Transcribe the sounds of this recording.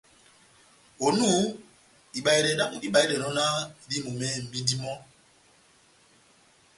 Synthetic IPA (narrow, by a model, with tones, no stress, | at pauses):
o˨nu˦ | i˨ɓa˨i˨ɾɛ˨na˦ku˦i˦ɓa˨i˦ɾɛ˨nɔ˦na˦˨ɾi˦mu˨mɛ˦˨m̩˨bi˦di˦mɔ˦